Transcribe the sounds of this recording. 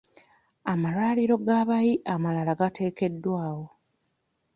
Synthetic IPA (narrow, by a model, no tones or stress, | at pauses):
amalwaːliɾo̞ɡaːβajiʔamalalaɡatʰe̞ːke̞dːwaːwo̞